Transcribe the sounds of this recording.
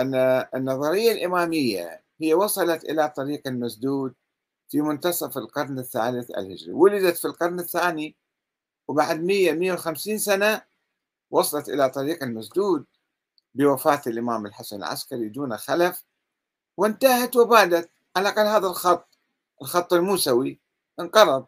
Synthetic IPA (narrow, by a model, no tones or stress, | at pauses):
ʔanːaɪnːɑðˤɑɾɪjːalʔɪmaːmɪjːa̰ | hɪjːawɑsˤɑlɑt̪ʔɪ̰lat̪ˤɑɾiːqalmasd̪uːd̪̚ | fimʊnt̪ɑsˤɑfɪlqɑɾˤnɪθːa̰ːlɪθʔa̰lhɪ̰d͡ʒɾḭwʊlɪd̪at̪filqɑɾˤnɪθːaːni | wbaʕd̪mɪjːamɪjːawxamsiːnsana | wɑsˤɑlɑt̪ʔɪ̰lat̪ˤɑɾiːqalmasd̪uːd̪̚ | bɪwafaːt̪ɪlʔɪmaːmɪlħasanɪ̰lʕa̰skaɾid̪uːnaxalaf | wɪnt̪ahat̪wɪbaːd̪at̪̚ | ʕalaʔqɑlːhaːðalxɑt̪ˤː | ʔɪlxɑt̪ˤːɪlmuːsawi | ʔɪnqɑɾˤɑðˤ